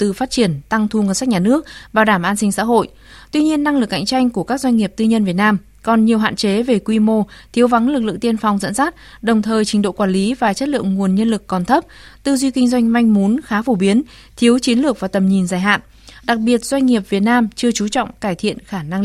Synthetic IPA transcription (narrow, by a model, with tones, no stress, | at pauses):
t̪ɨ˨˩faː˦˥t̚t͡ɕi˧˩ənt̪a˧ŋt̪ʰu˧ŋə˧˩nsa˦˥k̚ɲaː˨˩nɨ˦˥ək̚vaː˨˩ɗaː˧˩mʔaː˧nsï˧ŋsa̰ː˧˥ɦo̰˧˨j | t̪wi˧ɲi˧ənːa˧ŋlɨ˨˩k̚ha̰˧˨jŋ̟t͡ɕa˧jŋ̟ku˧˩əkaː˦˥k̚zwa˧ŋ̟ŋi˨˩əp̚t̪ɨ˧ɲə˧nvət̚naː˧m | kɔ˨˩nɲi˨˩əwɦa̰ː˧˨nt͡ɕe˨˦ve˨˩kwi˧mo˧t̪ʰi˨˦əwva˨˦ŋlɨ˨˩k̚lɨ̰˧˨ŋt̪i˧ənfa˨˩wŋ͡mzə̰˧˥nsaː˦˥t̚ɗə˨˩wŋ͡mt̪ʰəː˨˩jt͡ɕï˨˦ŋ̟ɗo̰˧˨kwaː˧˩nli˨˦vaː˨˩t͡ɕə˦˥t̚lɨ̰˧˨əŋŋu˨˩ənɲə˧nlɨ˨˩kːɔ˨˩nt̪ʰə˦˥p̚t̪ɨ˧zwi˧kï˧ŋ̟zwa˧jŋ̟ma˧jŋ̟mu˨˦nxaː˨˦fo˧˩ɓi˨˦ən | t̪ʰi˨˦əwt͡ɕi˨˦ənlɨ˨˩ək̚vaː˨˩t̪ə˨˩mɲi˨˩nzaː˧˩jɦa̰ː˧˨nʔ | ɗa˨˩k̚ɓi˨˩ət̚z̥wa˧jŋ̟ŋi˨˩əp̚vi˨˩ət̚naː˧mt͡ɕɨ˧ət͡ɕu˨˦t͡ɕɔ̰˧˨wŋ͡mkaː˧˩jt̪ʰḭ˧˨ənxaː˧˩na˧ŋ